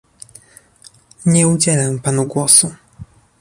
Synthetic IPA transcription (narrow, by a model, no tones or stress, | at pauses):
ɲɛud͡ʑɛlɛmpanuɡwɔsu